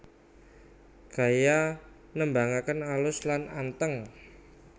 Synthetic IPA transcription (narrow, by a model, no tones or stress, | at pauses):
ɡ̥a̤ja | nəmbaŋakənalʊslanant̪əŋ